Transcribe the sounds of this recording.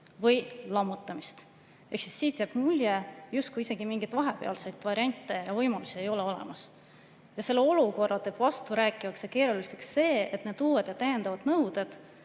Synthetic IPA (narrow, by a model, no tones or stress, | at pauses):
vɤjlɑmːut̪ːˑɑmist̪ | e̞hksisːiːt̪jæb̥mulʲjejust̪̚kujise̞ɡ̥imiŋɡit̪vɑɦepe̞ɑ̰lsejt̪ːˑvɑɾʲiɑnʲt̪ˑːe̞jɑvɤjmɑlusie̞jo̞le̞o̞lḛmɑs | jɑse̞lːeo̞luko̞rːɑlt̪e̞ːb̥vɑst̪uɾæːkːˑiɑkseke̞ːɾuliseksːe̞ːe̞t̪ne̞d̪uːwed̪̥jɑt̪æjend̪ɑvɑd̪̥nɤwd̪̥e̞d̪̥